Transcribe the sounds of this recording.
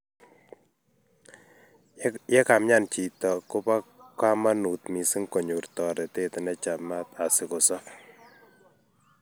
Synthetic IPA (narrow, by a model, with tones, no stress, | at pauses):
jɛ˦ka˨mɲa˦˨nt͡ʃi˨tɔ˨kʊ˦pa˦kwa˦ma˦nu˨tmi˨si˦ŋko˨ɲu˨rtɔ˨ɾɛ˨te˦tɪ˨nɛ˦t͡ʃa˨ma˦ta˨sɪ˨kʊ˨sɔ˦